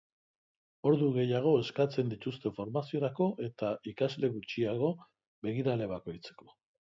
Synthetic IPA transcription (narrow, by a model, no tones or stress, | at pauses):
o̞ɾðuɣe̞jaɣ̞o̞e̞skat͡se̞nd̪it̪ust̪e̞fo̞ɾmasio̞ɾako̞ʔe̞t̪aikazle̞ɣut͡ʃiaɣo̞ | βe̞ɣiɾale̞β̞ako̞jt͡se̞̥ko̞̥